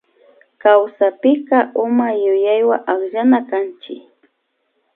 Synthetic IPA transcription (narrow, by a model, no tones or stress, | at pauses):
kawsapɪqɑʔʊmajʊjajwaʔaχʎanakant͡ʃɪ